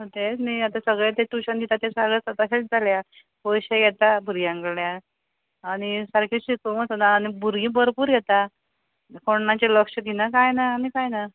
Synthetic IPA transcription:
ɦot̪et͡smiat̪asəɡɭet̪et̪uɕənd̪it̪at̪esəɡɭesət̪aɕet͡sd͡zalja | pojɕeɡɛt̪abʱuɾɡijãŋɡəɭɭjaː | ɽ̃isəɾkʰeɕikəməsənaːnibʱuɾɡĩːbəɾpuːɾɡʱɛt̪a | koɳnat͡ɕeləkʂəɡ̪ʱinakajnaːmikajna

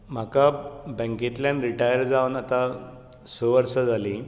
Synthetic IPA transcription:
m̤akabɛ̃ŋket̪lãnɾiʈajəɾd͡zaʋuənat̪a | səʋəɾsəd͡zʱali

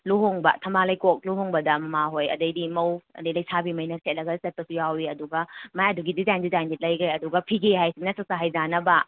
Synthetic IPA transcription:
luɦoŋbɐ̰tʰɐmbalɐjkok̚luɦoŋbɐdɐmɐmaɦojɐ̰dɐjdimɐwɐ̰dɐjlɐjsʰabimɐjnɐset̚lɐɡɐsɐt̚pɐsujawɾiɐduɡɐmajɐduɡidizajndizajndit̚lɐjɡɐjɐduɡɐpʰiɡeɦajsiŋnɐsɐsaɦajzanɐbɐ

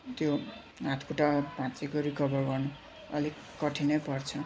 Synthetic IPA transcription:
t̪jo | ɦãt̪ʰkʰuʈapãt͡sekoɾikʌbʌrɡʌrnu | ʌ̰lik | kʌʈʰinʌpʌrt͡sʰʌ

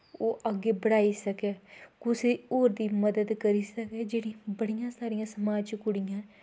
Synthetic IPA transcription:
oːʔəɡeːbəɽaːiːsəkeːkʊsiːoːɾd̪iːməd̪əd̪kəɾiːsəkɛːd͡ʒeːɽĩːbəɽijãːsaːɾijãːsəmaːd͡ʒkʊɽijãː

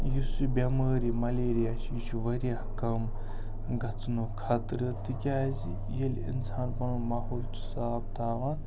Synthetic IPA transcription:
jusibʲɐməːɾimɐleːɾijaːʃit͡ʃʰuʋɐɾiakɐm | ɡɐt͡snukʰɐt̪ɾɨt̪ɨkʲaːzi | jelḭnsaːnpɐnumaːɦoːlt̪ʰu̥saːb̚t̪ʰaːʋãː

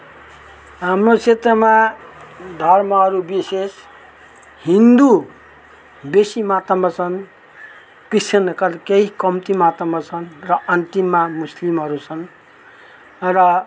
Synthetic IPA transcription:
ɦamrot͡sʰet̪rʌma | d̪ʱʌrmʌɦʌɾubises | ɦind̪u | besimat̪ʌmʌt͡sʰʌn | kisʌnkʌlkeɦikʌmt̪imat̪ʌmʌt͡sʰʌnrʌʔʌnt̪imːamuslimɦʌɾut͡sʰʌn | rʌ

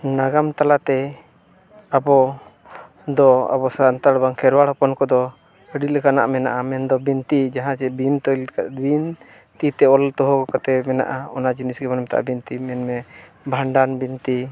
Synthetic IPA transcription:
naɡamt̪alat̪ɛ | abɔ | d̪ɔa̰bɔsant̪aɽbaŋkʰɛɾwaɽhɔpɔnkɔd̪ɔ | əɖiləkana̰ʔmɛnaʔamɛnd̪ɔbint̪id͡ʒaɦãd͡ʒɛbint̪ɔjlabin | t̪it̪ɛɔlt̪ɔɦɔkɔkat̪ɛmɛna̰ʔaɔnad͡ʒinisɡɛbanɔmt̪a̰ʔa̰bint̪imɛnmɛ | bʱaɳɖanbint̪i

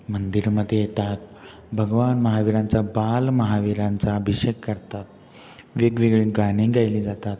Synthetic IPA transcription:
mənd̪iɾməd̪ʱːjejet̪at̪̚ | bʱəɡʋanməɦaʋiɾãnt͡sabalməɦaʋiɾãnt͡saəbʱiɕekːəɾt̪at̪ | ʋeɡʋiɡɭiːɡaɽ̃ĩɡajliːd͡zat̪at̪

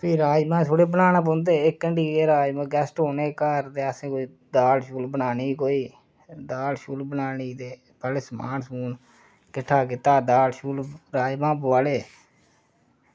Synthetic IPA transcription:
pʰiːɾaːd͡ʒmãːt̪ʰoːɽeːbənaːnaːp̬õːnd̪eːɪkːəɳɖiːeːɾaːd͡ʒmãːɡɛːsʈɦoːneːkəɾd̪eːəsẽːkoiː | d̪aːlʃuːlbənaːniːkoːiː | d̪aːlʃuːlbənaːniːd̪eː | pəlsma̰ːnsuːn | kɪʈʰːaːkɪt̪aːd̪aːlʃuːlɾaːd͡ʒmãːpəʋaːleː

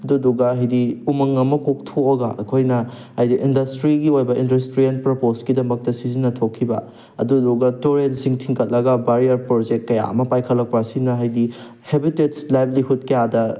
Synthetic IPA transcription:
ɐdudɔɡɐɦɐjdiumɐŋɐmɐkok̚tʰoɐɡɐʔɐkʰojnɐ | hɐjdiʔindɐstɾiɡiojbɐʔindɐstɾienpɾoposkidɐmɐk̚tɐsizinɐtʰokʰːibɐ̰ | ɐ̰dudɔɡɐtoɾelsiŋtʰiŋkʰɐt̚lɐɡɐbaɾiɐɾpɾod͡ʒek̚t̚kːɐja̰ɐ̰mɐpajkʰɐlːɐk̚pɐsinɐɦɐjdi | hebitetslajblihut̚kɐjadɐ

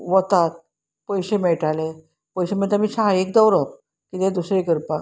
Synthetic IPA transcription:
ʋət̪at̪̚ | pəjɕemeɭʈale | pəjɕemet̪əmiːt͡ɕʰaek̚d̪əwɾəp̚ | kit̪ẽd̪usɾekəɾpa

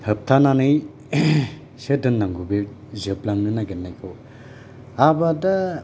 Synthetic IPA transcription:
hɯp̚tʰananɯj | sedɯnːaŋɡube | zɯplaŋnɯnaɡenːajkʰɯw | abada

